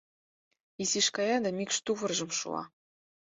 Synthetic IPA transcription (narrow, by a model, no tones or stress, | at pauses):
iziʃkɑjɑd̪ɑmʲikʃt̪uvɤ̆rʒɤ̆mʃṵɑ̰